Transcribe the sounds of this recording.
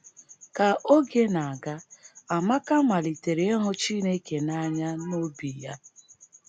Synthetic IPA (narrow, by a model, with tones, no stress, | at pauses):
ka˨ʔo˦ɡe˦na˨a˨ɡa˦a˨ma˦ka˦ma˨li˨te˨ɾe˨e˦ɦʊ˦t͡ʃi˦ne˦ke˨na˦ɲa˦no˦bi˨ja˦